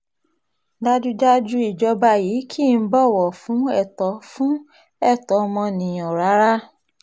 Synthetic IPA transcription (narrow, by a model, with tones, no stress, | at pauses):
da˦d͡ʒu˦d͡ʒa˦d͡ʒu˦i˦˨d͡ʒɔ˧ba˧ji˨˦kʰi˦˨n̩˦bɔ˦˨wɔ˨fũ˨˦ɛ˦˨tɔ˨˦fũ˦ | ɛ˦˨tɔ˨˦˧mɔ̃˧nĩ˨ɔ˨ɾa˨˦ɾa˦